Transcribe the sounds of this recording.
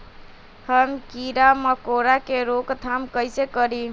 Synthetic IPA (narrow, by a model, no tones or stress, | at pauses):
həmkiɾaməkoɾakeɾokt̪ʰamkəjsekəɾi